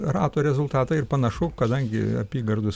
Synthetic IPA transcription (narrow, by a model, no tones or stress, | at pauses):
rɑːt̪oːɾʲɛzʊlˠt̪ɑːt̪ɐɪrpɐnɐʃʊkɐd̪ɐŋʲɡʲɪ̰ɐ̰pʲiːɡɐrd̪ʊs